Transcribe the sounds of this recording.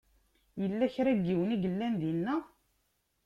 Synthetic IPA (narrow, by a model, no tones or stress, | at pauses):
jəlːæçɾæɡːiwəniɡəlːænd̪inːæ